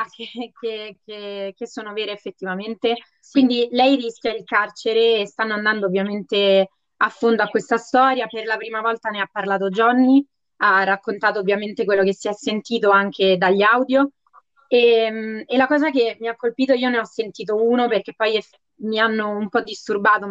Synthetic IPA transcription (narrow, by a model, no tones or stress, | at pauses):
akːekekʰekesːoːnoveːɾeːfːet̪ːivament̪e | kwind̪ilɛjriskʲjailkart͡ʃeɾeːst̪anːoand̪and̪oːvːjament̪e | afːond̪oakːwest̪ast̪ɔːɾjaperlapɾiːmavɔlt̪aneapːarlaːt̪od͡ʒɔnːi | arːakːont̪aːt̪oːvːjament̪ek̬welːok̟esːiɛsːent̪iːt̪̬oaŋk̟ed̪aʎːawd̪jo | emelakɔːzakemiakːolpiːt̪̬oiːoneɔsːent̪iːt̪̬ouːnoperk̟epːɔjɛf | mianːoumpɔd̪ːist̪urbaːt̪o